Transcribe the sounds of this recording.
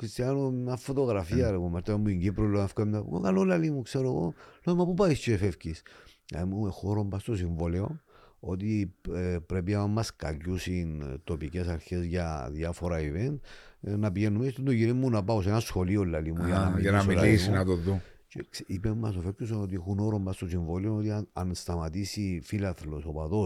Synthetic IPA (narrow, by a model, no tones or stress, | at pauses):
kɾist̪iɐnomɲɐfo̞t̪o̞ɣɾɐfiɐɾepommɐɾt̪ɐmːuiɲɟipɾolːoefkɐmɲa̰okɐlːolːɐlimukseɾoɣo̰lomɐpupaist̪oefefcis | ɐ̰muexoɾombɐst̪osiɱvoleo̞ | o̞t̪̬i | pɾe̞p̬iɐmːɐskɐ̰cusint̪o̞pice̞sɐɾçe̞zʝɐðjɐfo̞ɾɐivent̪nɐpiʝenːumest̪end̪oʝinimːunɐpɐosenɐsxo̞liolːɐlimujnɐmimoilisiinɐt̪oðut͡ʃeksipemːɐsofefcosano̞t̪̬iexuno̞ɾo̞mbɐst̪o̞siɱvo̞leo̞not̪iɐnst̪ɐmɐt̪isifilɐθlo̞so̞pɐðo